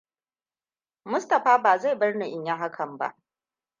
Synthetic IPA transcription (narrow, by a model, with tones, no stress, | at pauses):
mʊ˦stɐ˨ɸaː˦baː˨za˦˨jbɐ˦rna˨ʔɪ˨ɲja˦ɦa˦kʰɐ˨mba̰˦ʔ